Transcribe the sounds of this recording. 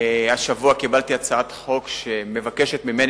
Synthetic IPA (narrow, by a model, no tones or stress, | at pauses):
aʃavuakibalt̪iat͡saat̪χo̞kʃe̞me̞vake̞ʃet̪mime̞n